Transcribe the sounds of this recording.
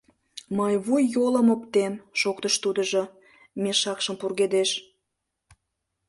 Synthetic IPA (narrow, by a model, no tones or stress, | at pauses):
mɑjβujːoləmopt̪enʃokt̪əʃt̪ud̪əʒo | meʃɑkʃəmpurɣed̪eʃ